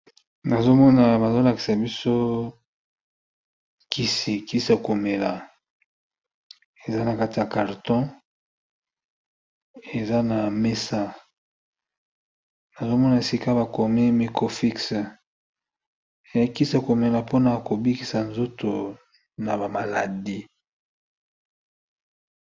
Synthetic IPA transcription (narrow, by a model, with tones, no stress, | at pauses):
na˨zo˦mɔ˦na˨ba˨zo˦la˨ki̥˨sa˨bi˦so˦ | kʰi˦si˨ki˦si˦a˨ko˨me˨la˨ | e˨za˦na˨ka˦ti˨a˨ka˨ʁtɔ̃˦ | e˨za˦na˨me˦sa˦ | na˨zo˦mɔ˦na˨e˨si˦ka˦ba˨ko˨mi˦mi˦ko˦fi˦ks | e˨ja˦ki˦sa˨ko˨me˨la˨po˦na˨ko˨bi˦ki˨sa˨nzo˦to˨ | na˨ba˨ma˨la˨di˦